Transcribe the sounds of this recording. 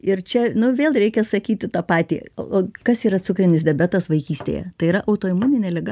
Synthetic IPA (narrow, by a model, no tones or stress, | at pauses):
ɪrt͡ʃʲɛnʊʋʲeːlˠɾʲɛɪkʲɛsɐkʲiːt̪ʲɪt̪ɑpɑːt̪ʲḭːoːkɐsiːɾɐt͡ssʊkɾʲɪnʲɪsd̪ʲɛbʲæt̪ɐsʋɐɪkʲiːsʲt̪ʲḛjɛ̰t̪ɐɪiɾɐʔɐʊt̪oːɪmuːnʲɪnʲeːlʲɪɡɐ